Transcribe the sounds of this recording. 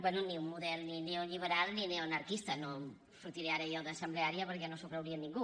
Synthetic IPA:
bwɛnuniummuðɛlˠnineoʎiβ̞əɾalˠnineonəɾkist̪əno | fɾut̪iɾeaɾəjɔðəsəmbleaɾiəpəɾkɛnosukɾəwɾiəniŋɡu

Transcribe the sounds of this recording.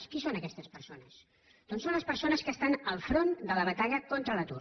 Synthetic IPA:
skisonəkɛst̪əspəɾsonəs | d̪onsonləspəɾsonəskəːst̪anəlˠfɾond̪ələβət̪aʎəkɔnt̪ɾələt̪ṵ

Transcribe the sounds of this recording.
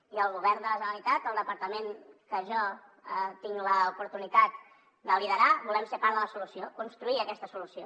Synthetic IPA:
iəlˠɣuβɛrnd̪ələʒənəlit̪at̪əlˠd̪əpəɾt̪əmenkəʒɔ | ət̪iŋləupuɾt̪unit̪at̪̚ | d̪əliðəɾaβulɛmsepaɾðələsulusiokunst̪ɾuiəkɛst̪əsulusio

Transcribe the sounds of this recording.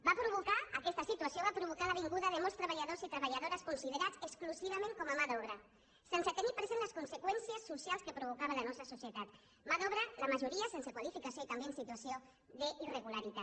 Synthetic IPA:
bapɾuβukaəkɛst̪əsit̪uasjoβapɾuβ̞ukalaβ̞iŋɡuðəðemolst̪ɾəβaʎaðosit̪ɾəβaʎaðoɾəskunsiðeɾat͡səkskluziβamẽŋkɔmamaðɔβɾa | sensət̪enipɾezenləskunsekwɛnsiəsːusjalˠskəpɾuβ̞ukaβalanɔst̪ɾəsusjet̪at̪ | maðɔβɾəlamaʒuɾiasensəkwalifikasijoit̪ambensit̪uasio | ðəʔireɣulaɾit̪a

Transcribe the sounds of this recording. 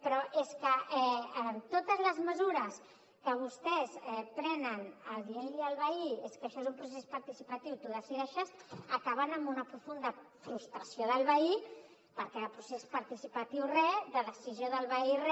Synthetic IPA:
pɾɔʔeskəɛːmt̪ot̪əzləzməzuɾəs | kəβ̞ust̪ɛsɛpɾɛnənəlˠðieliəlˠβəieskəʃɔezumpɾus̬espɐɾt̪isipət̪iwt̪uðəsiðɛʃəsəkaβənəmbunəpɾufund̪əfɾust̪ɾɐsjoðəlˠβəi | pəɾkɛəlpɾusespɐɾt̪isipət̪iwrɛðəðəsizjoðəlˠβəirɛ

